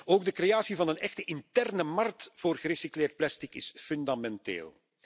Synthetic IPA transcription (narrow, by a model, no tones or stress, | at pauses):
oːɡ̚dəkrejaːsivɑnənɛxtəʔɪntɛrnəmɑrk̚tfoːrɣəɾesikleːrt̚plɛstɪkɪsfʏndamɛntḛːlˠ